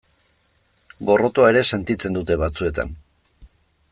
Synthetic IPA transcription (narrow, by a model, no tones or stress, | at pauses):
ɡo̞ro̞t̪oae̞ɾe̞se̞nt̪it͡se̞nd̪ut̪e̞βat͡sue̞t̪a̰n